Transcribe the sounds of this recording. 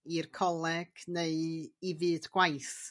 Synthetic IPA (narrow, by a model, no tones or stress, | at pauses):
irkʰɔlˠɛɡ̥neɨivɨːdɡ̥wajθ